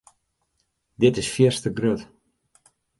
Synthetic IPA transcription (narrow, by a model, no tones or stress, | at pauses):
dɪtɪsfjiərstəɡrøt